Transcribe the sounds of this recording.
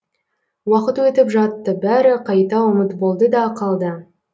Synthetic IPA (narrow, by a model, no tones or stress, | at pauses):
wɑqət̪wɵt̪ɪpʒɑt̪ːəbæɾɪqʰɑjt̪ɑʊmət̪bo̞lˠd̪əd̪ɑqʰɑlˠd̪ə